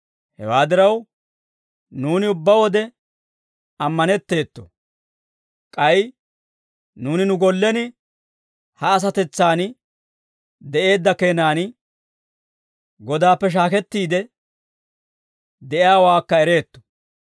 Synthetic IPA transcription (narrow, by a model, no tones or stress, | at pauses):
hɛ̰waːd̪ɪɾɐw | nuːnɪʊbːɐwɔd̪ɛ | ɐmːɐnɛt̪ːe̞ːt̪ːɔ̥̰ | kʼɐj | nuːnɪnʊɡɔlːɛnɪ | hɐːs̬ɐt̪ɛt͡sːaːn | d̪ɛʔe̞ːd̪ːɐke̞ːnaːn | ɡɔd̪aːpːɛʃ̬aːkɛt̪ːiːd̪ɛ | d̪ɛʔɪaːwaːkːɐɛɾe̞ːt̪ːɔ̥